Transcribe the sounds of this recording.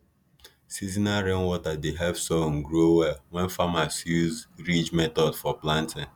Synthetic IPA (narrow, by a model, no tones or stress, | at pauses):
sizinaɾen̩wɔtadeɦɛbsɔŋ̩ɡɾowɛlwɛnfamasjuzɾid͡ʒmɛtɔdfɔplãntɪŋ